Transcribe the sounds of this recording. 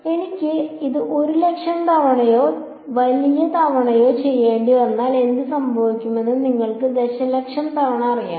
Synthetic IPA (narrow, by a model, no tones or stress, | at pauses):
e̞nikʲːɨiðɨʔo̞ɾule̞kʂɐmt̪ʰɐʋɐɳɐjo̞ː | ʋɐlijɐt̪ʰɐʋɐɳɐjo̞ːt͡ɕe̞jːeːɳɖienːaːle̞nd̪ɨsɐmbʱɐʋikʲːume̞nːɨniŋːɐɭkɨd̪eɕɐlekʂɐmt̪ʰɐʋɐɳɐɐrija̰ː